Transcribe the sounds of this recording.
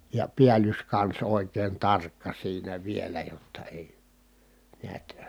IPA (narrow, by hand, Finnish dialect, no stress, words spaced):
jɑ piælyskɑns oˑi̯kˑeːn tɑrkːɑ siːnæ ʋielæ jotːɑ eˑi niæt